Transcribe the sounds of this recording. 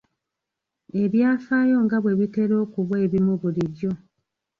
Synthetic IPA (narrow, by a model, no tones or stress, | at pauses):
e̞βjaːfaːjo̞ŋɡaβwe̞βiteɾo̞ːkuβwe̞ːβimuβuliβjo̞